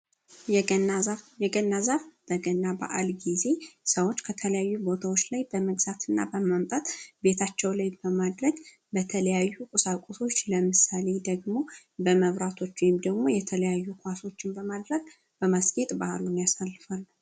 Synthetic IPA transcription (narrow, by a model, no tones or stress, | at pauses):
jɛɡənːazavb̥əɡənːaba̰ʔalɡize̞səwo̞t͡ʃːkʰət̪ʰələjajːubo̞t̪ʰawot͡ʃːlajbəməɡz̥at̪ʰɨnːa̰bəmamt̪ʼat̪be̞t̪ʰat͡ʃːɛwlajbəmad̪ɾəɡ | bət̪ʰələjajːukʼɨsakʼoso̞t͡ʃːləmɨsale̞d̪əɡmo̞ | bəməβɾat̪ʰo̞t͡ʃːwɔjɪmd̪əɡmo̞jɛt̪ʰələjajːukʰʷaso̞t͡ʃːɪnbəmad̪ɾəɡ̚ | b̥əmasɡe̞t̪ʼbaʔlunjasalːɨfal